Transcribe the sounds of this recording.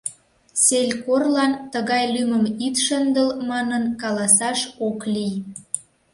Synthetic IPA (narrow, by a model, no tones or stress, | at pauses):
selʲkorlɑnt̪əɣɑjlyməmit̪ʃənd̪əlmɑnənkɑlɑsɑʃoklij